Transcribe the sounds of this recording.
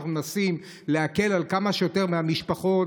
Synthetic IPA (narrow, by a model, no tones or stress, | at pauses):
nasim | le̞ake̞lalkamaʃejote̞ʁmeamiʃpaχo̞t